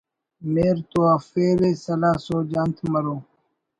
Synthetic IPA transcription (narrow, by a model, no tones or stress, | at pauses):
meːɾt̪oːaːfeːɾeːsəlaːsoːd͡ʒant̪ʰməɾoː